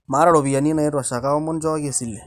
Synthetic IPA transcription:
ma˦ɾa˦ɽo˨bi˨ja˨ni˦na˨e˦ɾɔ˨sa˨ka˦ɔ˦mːɔ˦nd͡ʒɔ˦ke˨si˨lːe˨

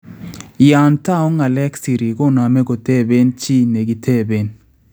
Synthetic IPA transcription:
ja˨nta˦ɔ˦ŋa˨lɛ˦ksi˨ɾi˨ɡɔ˦na˨mɛ˦ɡo˨te˦be˦nt͡ʃi˦ne˨ɡi˨tʰe˦˨be˦n

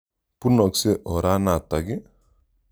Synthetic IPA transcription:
punɔ˨kse˦ʔɔ˨ɾa˦na˨t̪a˨ɡe˦

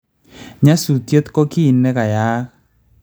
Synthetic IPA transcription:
ɲa˦su˨tjo˦t̪kɔ˦kiː˦˨nɛ˦ka˨jaː˦k

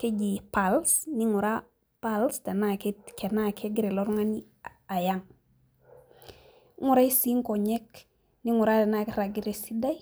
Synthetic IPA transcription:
ke˦d͡ʒi˨pa˨lsni˦ŋu˨ɾa˦ | pa˦lste˨na˦kɛkɛ˨na˦kɛ˦ɡɪ˦ɾe˨lɔ˦ɾŋa˦ni˦ | a˨ja˦ŋ˦ | ŋu˦ɾa˦i˦si˦ŋkɔ˨ɲɛ˦k | ni˦ŋʊ˨ɾa˦ɛ˨na˦kɾa˨ɡɪ˦ɾe˨si˦da˦j

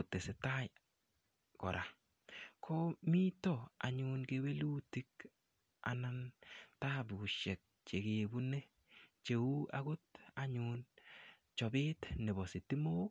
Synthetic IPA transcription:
ʊ˨te˨sɪ˨ta˦j | kɔ̰˨ɾʔa˨ | kʰɔmi˦tɔa̰˨ɲʊnkewe˦lu˦ti˦k | a̰˨na˦nta˦bɪ˨ʊ˨ʃɛ˨k̚t͡ʃe˨kebu˦ne˦ | t͡ʃe˨u˦a̰˦ɡo˦ta˨ɲun | t͡ʃɔ˨bɪ˦tnɪ˨bɔ˨sɪ˨ti˦mo˦

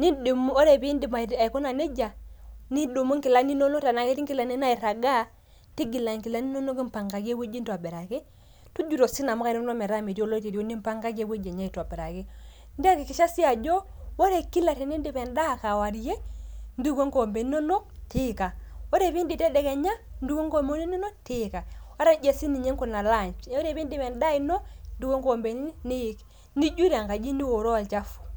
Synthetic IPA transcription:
ni˦du˨m˦ɔ˦ɾɛ˨biː˦ndi˨ma˨a˨i˨ko˦na˨ne˦d͡ʒa˨ni˦do˨mo˦ŋki˨la˦ni˦nɔ˦no˦ta˨na˨˦ke˦ti˦ŋki˦la˨ni˦na˦i˨ɾa˨ɡa˦ | ti˦ɡi˨la˨ŋki˨la˦ni˦nɔ˦no˦ki˦m˦pa˨ŋɡa˨ɡe˦we˦d͡ʒi˦ntwa˨bɛ˨ɾa˨ke˦ | tu˦d͡ʒu˨ɾɔ˨si˦na˨mɔ˦ka˦˨nɔ˦nɔ˦mɛ˨ɾa˦mi˨tjo˦lɔ˦te˨ɾo˦ni˦mpa˦ŋɡa˦ɡe˦we˦d͡ʒɛ˨ɲa˦i˨ta˨bɛ˨ɾa˨ki˦ | ndi˦a˦ki˨ki˨ʃa˦si˦a˨d͡ʒɔ˦ | wɔ˦ɾe˨ki˦la˨ti˨ni˦ndi˨pɛ˨nda˦˨ka˨wa˨ɾje˦ndu˦ɡo˦ŋɡo˨mbe˨no˦no˦ti˦ka˨wo˦ɾe˦˨βi˦ndi˨tɛ˦dɛ˨kɛ˨ɲa˦n˦du˦ɡo˦ŋɡo˦mo˦ni˦ni˦no˦tɪ˦ka˨a˦ɾa˦n˦d͡ʒɛ˨si˦ni˨ɲe˦ŋko˨na˨la˦˨ɲt͡ʃo˦ɾe˦˨bi˦ndi˦˨mɛ˨nda˦i˦nɔ˦ndu˦wo˦ŋɡo˨mbe˨ni˦ni˦˨˦k | ni˦d͡ʒu˦ɾa˨ŋka˨d͡ʒi˦ni˦wo˨ɾɔ˦wa˨lt͡ʃa˦fu̥˨

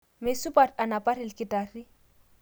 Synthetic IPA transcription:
me˨su˦pʼa˨ta˨na˨pa˦ɾɪ˨lkɪ˨ta˨ri˦

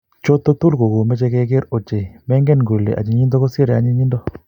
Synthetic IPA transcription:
t͡ʃo˦t̪ːo˦t̪u˦lko˨ɡo˨mɛ˦t͡ʃɛ˧˦kɛ˦ke˦ɾo˨t͡ʃe˨mɛ˦ŋɡɛ˦nɡu˨lḛ˨ʔa̰˨t͡ʃi˨ɲi˦nd̪o˦ko˦se˦ɾja̰˨˦ɲi˦ɲi˦ndɔ˦

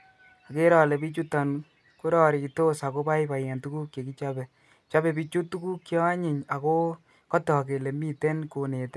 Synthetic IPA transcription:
a˨ke˦ɾɔ˨lɛ˨bi˦t͡ʃu˦ta˨n | ku˦ɾɔ˦˨ɾi˨ki˨to˦sa˨ko˦pa˦jpa˨jɛ˨ntu˦kuː˦kje˨ki˦t͡ʃa˦bɛ˨ | t͡ʃa˦bɛ˨bi˦t͡ʃu˦tːu˦ku˦kːjɔ˦a˦ɲi˨ɲa˨ko˦ | kɔ˦tɔ˨ke˨le˨mi˦te˦nko˨ne˨tɛ˦

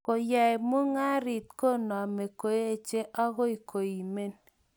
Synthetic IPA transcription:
ko˨jɛ˨mo˦ŋa˦ɾi˨t̪̚ko˦˨nɔ˨me˨ko˨e˦e˨t͡ʃe˦ʔa˦ɣo˦i˨kʰo˨i˨me˦n

